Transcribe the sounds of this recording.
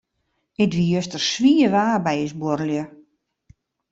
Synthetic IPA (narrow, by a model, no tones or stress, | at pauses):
ɪtʋijøstərsʋiəʋaːbɛjəsboɾəljə